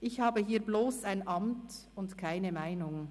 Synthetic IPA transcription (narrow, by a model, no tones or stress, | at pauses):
ʔɪçhaːbəɦiːɐbloːsaɪnʔɑmtʊntkʰaɪnəmaɪnʊŋ